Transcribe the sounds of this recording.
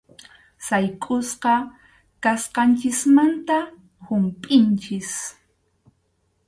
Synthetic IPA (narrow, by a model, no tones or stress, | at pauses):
sajkʼʊsqɑ | kasqɑnt͡ʃɪsmant̪a | hʊmpʼɪnt͡ʃɪs